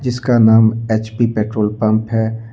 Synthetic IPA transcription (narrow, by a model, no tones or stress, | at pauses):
d͡ʒɪskanaːmeːt͡ʃpipeːʈɾoːlpɐ̃mpɦɛ